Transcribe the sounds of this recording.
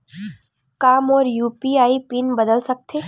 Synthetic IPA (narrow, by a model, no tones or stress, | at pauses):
kamoːɾjupiaipinbəd̪əlsək̚t̪ʰe